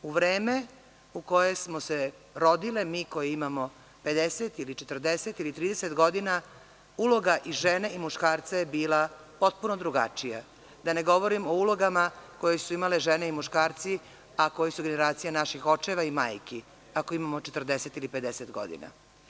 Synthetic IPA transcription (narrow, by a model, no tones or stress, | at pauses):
uʋɾeːme | uko̞je̞smose | ɾo̞d̪ilemiːko̞jeimamo̞ | pe̞d̪eset̪ilit͡ʃet̪r̩d̪eset̪ilit̪ɾiːd̪eset̪ɡo̞d̪ina | ulo̞ɡaʔiʒeneimuʃkaːɾt̪sajebiːla | po̞t̪̚punod̪ɾuɡa̰t͡ʃija̰ | d̪ane̞ɡo̞ʋo̞ɾimo̞ulo̞ɡamako̞jesuimaleʒene̞imuʃkaːɾt̪si | ako̞jesuɡe̞neɾaːt̪sijanaʃixo̞t͡ʂeʋaimaːjki | akoimamot͡ʃet̪r̩d̪eset̪ilipe̞d̪eset̪ɡo̰d̪ḭna̰